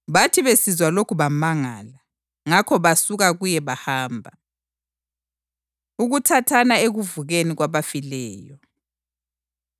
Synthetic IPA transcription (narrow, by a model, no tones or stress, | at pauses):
βatʰiβesizwalokʰuβamaŋaːla | ŋakʰɔβasuɣaɣujɛβahaːmbʱa | uɣutʰatʰanaeɣuvuɣeniɣwaβafilɛːjɔ